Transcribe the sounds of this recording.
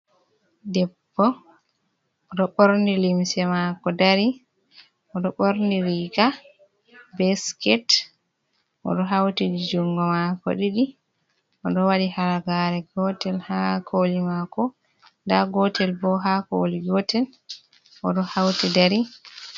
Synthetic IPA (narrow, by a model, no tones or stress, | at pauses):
dɛbːɔ | ʔɔɗɔɓoɾndilimsɛmakɔdaɾi | ʔɔɗɔɓoɾndiɾiɡa | bɛskɛt | ʔɔ̰ɗɔɦawtid͡ʒid͡ʒuŋɡɔmakɔ̰ɗiɗi | ʔɔɗɔwadihalaɡaɾɛɡɔtɛlhakʰolimakɔ | ndaɡɔtɛlbɔɦako̰liɡɔtɛl | ʔɔ̰ɗɔhawtidaɾi